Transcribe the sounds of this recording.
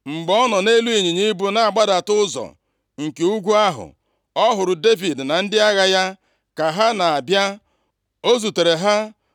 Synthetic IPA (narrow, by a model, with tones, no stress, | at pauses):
ŋ͡m̩˨ɡ͡bɔ˦nɔ˨ne˦lu˦i˨ɲi˨ɲi˦bu˦na˨a˨ɡ͡ba˦da˨tʊ˦zɔ̰˨ | ŋ̩˨ke˨u˦ɡʷu˦a˦ɦʊ̰˨ | ɔ˦ɦʊ˨ɾʊ˨de˦vi˨dna˨n̩˦dɪ˦a˦ɣa˦ja˦ | ka˨ɦa˦na˨a˨bja˦ | o˦zu˨te˨ɾe˨ɦa˦